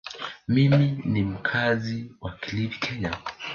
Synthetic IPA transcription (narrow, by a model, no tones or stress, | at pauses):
miminim̩kʰaziwakilipi̥kʰɛɲa